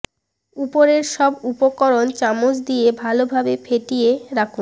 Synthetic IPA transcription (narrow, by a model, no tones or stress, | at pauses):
upoɾeɾʃɔbupokɔɾont͡ɕamod͡ʑd̪iebʱalobʱabefʰeʈijeɾakʰun